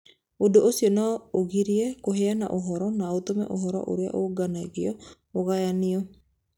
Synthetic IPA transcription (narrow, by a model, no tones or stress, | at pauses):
odoʔosiɔnɔoɣiɾiɛkoɦeana̰ʔoɦɔɾɔnaot̪omɛ̰ʔo̰ɦɔɾɔ̰ʔo̰ɾea̰ʔoɡanaɣeɔ | oɣajaniɔ